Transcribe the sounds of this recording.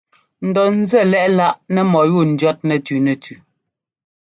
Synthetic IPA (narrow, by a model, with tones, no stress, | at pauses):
n̩˨dɔ˨n̩˦zɛ˦˨lɛ˦ʔla˦ʔnɛ˦mɔ˨ju˦˨n̩˨djɔ˦t̚nɛ˨tʉ˨nɛ˨tʰʉ˨